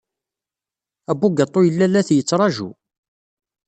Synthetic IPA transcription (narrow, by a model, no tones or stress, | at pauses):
æbːuɡɑt̪ˤːojəlːælːæθjət͡sːɾˤɑʒṵ